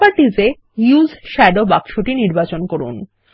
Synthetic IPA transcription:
aɾʈid͡ʑe | juzʃɛɖobakʃoʈiniɾbat͡ɕonkoɾṵn

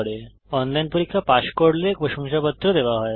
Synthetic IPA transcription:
ɽe | ɔnlajnpoɾikʰːapaʃkoɽlekɾoʃɔŋʃapɔt̪ːɾod̪ebaɦɔe

